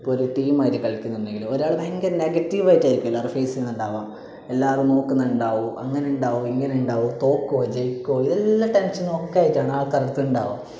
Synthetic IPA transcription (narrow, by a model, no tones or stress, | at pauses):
ipːoːoɾuʈiːmaːjitːɨkɐɭɐkʲːunːɐunːe̞ŋɡilumoɾaːɭɨmeŋɡɐnneɡɐtːiʋaːjitːaːjiɾikʲːumelːaːrɨfeːsilnuɳɖaːʋaː | elːaːrumno̞ːkːunːɐuɳɖaːʋoʔɐŋːɐneuɳɖaːʋoiŋːɐneuɳɖaːʋot̪o̞ːkːod͡ʑejikʲːoːiðelːɐʈenʂɐnːokːejaːjiʈtːaːɳɨaːkɐrɐt̪ːuuɳɖaːʋo